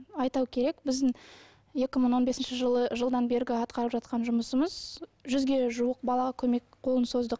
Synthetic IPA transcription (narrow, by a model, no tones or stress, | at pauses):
ɑjt̪ɑwkʲʰe̞ɾe̞kbɪzd̪ɪŋ | je̞kʲɪməɴwo̞nbe̞sɪnʃɪʒəlˠəʒəlˠd̪ɑnbe̞ɾɡʲɪɑt̪qɑɾəpʒɑt̪̚qɑnʒʊməsəməzʒʏzɡʲe̞ʒuəq̚bɑlˠɑʁɑkʲʰɵmekqʰo̞lˠənso̞zd̪əq